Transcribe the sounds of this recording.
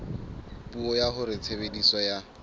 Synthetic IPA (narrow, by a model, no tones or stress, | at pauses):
pʼuɔjaɦʊɾɪt͡sʰebedisɔja